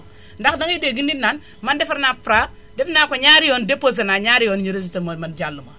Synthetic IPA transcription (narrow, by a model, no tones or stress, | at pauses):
ndakdaŋideɡinitnan | mandefiɾnafɾa | defnakoɲaɾijondepːos̬enaɲaɾijonɲiɾes̬itemamand͡ʒalːuma